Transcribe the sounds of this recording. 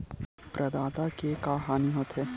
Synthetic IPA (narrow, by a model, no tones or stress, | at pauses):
pɾʔɐd̪aːt̪akekaːɦaːniɦot̪ʰɦeː